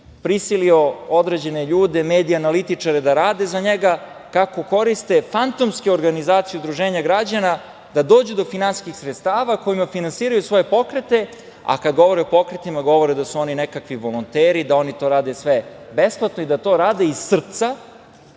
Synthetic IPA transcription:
pɾisiliood̪ɾed͡ʑe̞ne̞ʎuːd̪e̞meːd̪ijanalit̪it͡ʂaɾed̪aɾaːd̪e̞zaɲeɡa | kako̞ko̞ɾist̪efant̪o̞mskeo̞ɾɡanizaːt̪sijeud̪ɾuʒeːɲaɡɾad͡ʑana | d̪ad̪o̞ːd͡ʑud̪o̞finansiskixsɾet̪st̪aːʋako̞imafinansiːɾajusʋo̞je̞po̞kɾet̪e̞ | a̰kad̪ɡo̞ʋo̞ɾeopo̞kɾet̪imaɡo̞ʋo̞ɾed̪asuo̞ninekakʋiʋo̞lˠont̪eːɾid̪ao̞nit̪o̞ːɾaːd̪e̞sʋebe̞splˠat̪noid̪at̪o̞ːɾaːd̪e̞issr̩t̪sa

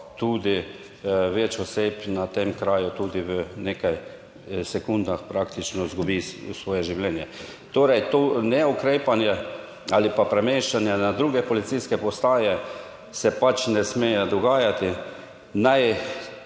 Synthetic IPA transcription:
t̪uːd̪i | ʋɛt͡ʃɔseːpnat̪emkɾaːjʊt̪uːd̪iʋənekaj | sɛkund̪naxpɾakt̪it͡ʃnɔzɡubisʋɔːjɛʒiwlɛːnjɛt̪oːɾɛjt̪oːnɛɔkɾeːpanjɛ | alipapɾɛmeːʃt͡ʃanjanad̪ɾuːɡɛpɔlit̪siskɛpɔst̪aːjɛ | sɛpat͡ʃnɛsmejɛd̪ɔɡaːjat̪ɪ | naj

